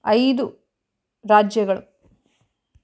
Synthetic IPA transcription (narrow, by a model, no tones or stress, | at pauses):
ɐjd̪u | ɾaːd͡ʒjɐɡɐɭṵ